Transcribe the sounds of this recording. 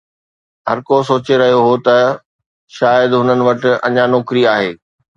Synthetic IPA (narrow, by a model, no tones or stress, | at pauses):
ɦɐɾkosoːt͡ɕeɾɐɦijoɦot̪ɐ | ʃaːjəd̪ɦʊnənɪ̆ʋɐʈɪ̆ɐ̰̃ɲanɔːkɾiaːɦeː